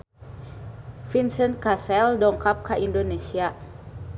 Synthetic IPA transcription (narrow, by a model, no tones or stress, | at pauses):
finsɛnt̪̚kasɛldɔŋkap̚kaʔindonesia